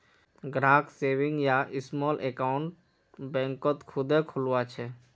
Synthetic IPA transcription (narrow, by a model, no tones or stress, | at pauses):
ɡɾaːkseːʋɪ̃ŋɡjaʔɪsmɔːlʔekaːʊ̃ɳʈ | bɛ̃ːŋkət̪kʰʊd̪ekʰʊlwat͡ʃʰɛ